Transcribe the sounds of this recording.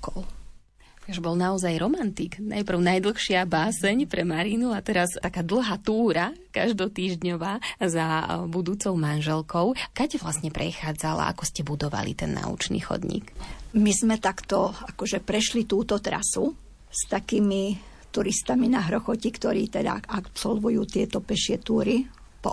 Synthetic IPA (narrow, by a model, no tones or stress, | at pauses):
kɔl | ʒbɔlnaɔzajɾɔmant̪ikna̰jpr̩ʊnajd̪l̩ˠxʃɪabaːsɛɲpɾɛmaɾinuat̪ɛɾast̪akaːd̪l̩ˠɦaːt̪uːɾakaʒd̪ɔt̪iːʒdɲɔʋaːzabud̪uːt͡sɔʊmanʒɛlkɔʊkacɛʋlasɲɛpɾʔɛxaːd͡zala̰ʔa̰kɔscɛbud̪ɔʋa̰lḭt̪ɛnːa̰ṵt͡ʃnḭːxɔ̰d̪ɲḭːkmizmɛt̪akt̪ɔakɔʒɛpɾɛʃlit̪uːt̪ɔt̪ɾa̰su | st̪akiːmi | t̪uɾist̪aminaɦɾɔxɔcikt̪ɔɾiːt̪ɛd̪a̰apsɔlʋujuːt̪ɪɛt̪ɔpɛʃɪɛt̪uːɾi | pɔ